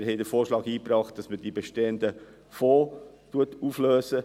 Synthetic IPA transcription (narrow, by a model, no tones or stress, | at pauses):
ɾɦɛɪdəɾfoːɾʃlɑːɡiːpɾɑːχt̚d̥ɑsmədibeʃteənd̪ə | foː | tuətufløːsə